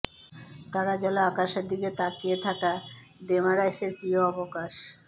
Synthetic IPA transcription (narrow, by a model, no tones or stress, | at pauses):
t̪aɾad͡ʑɔloakaʃeɾd̪iket̪akiet̪ʰakaɖemaɾajseɾpɾioɔbokaʃ